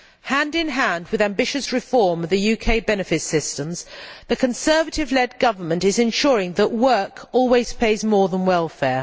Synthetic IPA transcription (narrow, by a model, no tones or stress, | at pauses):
hæ̃ndɪ̃nɦæ̃nd̚wɨðæ̃mbɪʃɨsɹɨfɔɹmʌvðɨjʉkʰeɪbɛnɨfɪtsɪstə̃mz̥ðɨkʰɨ̃nsɜ˞vətɪvlɛd̚ɡʌvə˞mə̃ntɨzɨ̃nʃɔːɹɪ̃ŋðəʔwɜ˞kʰɔlˠwiz̥pʰeɪzmɔɹðə̃nwɛlˠfɛɹ